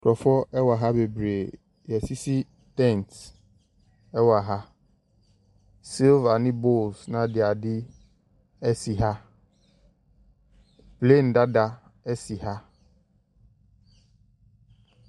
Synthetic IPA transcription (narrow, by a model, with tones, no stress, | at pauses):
kʰɾɔ˨fɔ˦ɛ˦wa˨ɦa˦be˨bɾe˨ | jɛ˨si˦si˦ | tɛ̃˦˨nt | ɛ˦wa˨ɦa˦ | si˦lva˨nɪ̃˦bo˦˨lsnã˨dɪ˨a˨dɪ˦ | ɛ˦si˨ɦa˦ | ple˦˨n̩˨da˦da˦ | ɛ˦si˨ɦa˦